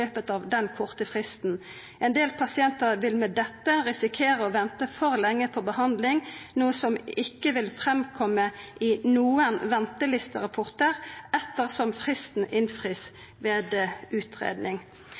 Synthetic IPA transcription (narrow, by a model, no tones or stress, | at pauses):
øːpət̪ɑʋd̪ɛnkʰʊʁt̪əfʁɪst̪n̩ | ʔɛnd̪eːlpʰɑsɪɛnt̪əʁʋɪlmɛd̪ɛt̪ːəʁɛsɪkʰeːʁəɔʋɛnt̪əfɔʁlɛŋːəpʰɔbəhɑnd̪lɪŋnuːəsɔmɪkːəʋɪlfʁɛmkʰɔmːəʔɪnuːənʋɛnt̪əlɪst̪əʁɑpʰɔʁt̪əʁɛt̪ːəʁsɔmfʁɪst̪n̩ʔɪnfʁɪs | ʋeːd̪ʉːt̪ʰʁḛːd̪nɪŋ